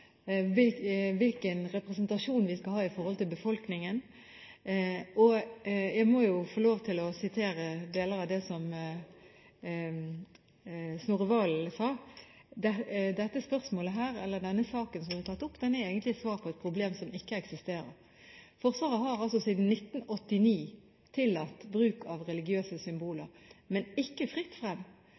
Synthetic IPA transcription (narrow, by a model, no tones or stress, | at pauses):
ʋɪlʋɪlkənʁɛpʁɛsənt̪ɑʂuːnʋɪskɑlhɑːɪfɔɾhɔlt̪ɪlbəfɔlknɪŋən | ʔɔjæɪɡmɔjʊfoːloːʋt̪ʰɪlɔsɪt̪ʰeːɾəd̪eːləɾɑʋd̪ɛsɔm | snuːɾəʋɑlsɑːd̪ɛd̪ɛt̪ːəspœʁsmoːləɦæːɾɛlːəd̪ɛnːəsɑːkənsɔmd̪ɑt̪ʰɑt̪ːʊpːd̪ɛnɛɾɛːɡənt̪lɪt̪sʋɑːʁpʰɔɛt̪̚pʰʁʊbleːmsɔmʔɪkːəɛksɪst̪eːɾə̰ɾ | fɔʁsʋɑːʁəɦɑɾɑlsɔsiːd̪n̩nɪt̪ːnɔt̪ːɪniː | t̪ʰɪlːɑt̪ːbʁʉːkʰɑʋʁɛlɪɡɪøːsəsʏmbuːləɾmɛnɪkːəfʁɪt̪ːfʁɛm